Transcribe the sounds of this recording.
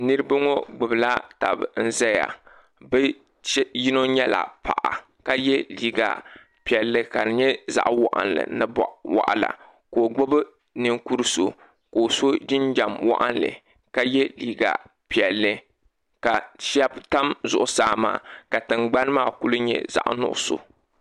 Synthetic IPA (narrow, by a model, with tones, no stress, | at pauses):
nɨ˦ɾɨ˦ba˦ŋo˦ɡ͡bɨ˨bɨ˨la˦ta̰˨bn̩˦za˦ja̰˨ | bɨ˦ | ji˦no˦ɲɛ˦la̰˨pa̰˨ʔa˨ | ka˦jɛ˦liː˨ɡa̰˨ | pi˨ɛ˨lːɨ˦ka˨nɨ˨ɲɛ˦za̰˨ʔwa˨ʔa̰˨nlɨ̰˨nɨ˦bʔwa̰˨ʔa̰˨la̰˨ | ko˨ɡ͡bɨ˦bɨ˦ | nɨ˦ŋku˦ɾɨ˦so˨ | ko˨so˦d͡ʒɪ˦nd͡ʒa˨mwa̰˦ʔa˦nlɨ̰˨ | ka˦jɛ˦liː˨ɡa̰˨ | pi˨ɛ˨lːɨ˦ | ka˨ʃɛ˦bta˦mzʊ˨ʔʊ˦saː˨ma̰ː˨ka˨tɨ˨ŋ͡mɡ͡ba˦n˦maː˦˨ku˦lɨ˦ɲɛ̰˦za̰˨ʔnʊ̰˦ʔʊ˦so̰˨